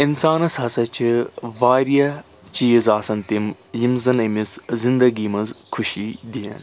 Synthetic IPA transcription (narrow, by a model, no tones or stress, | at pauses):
insaːnɐsɐsɐt͡ʃʰʋaːɾiɐ | t͡ʃiːzaːsɐnt̪im | jimzɐnɐmiszɪ̃nd̪ɐɡiːmɐnzkʰʊʃid̪ijɐ̰n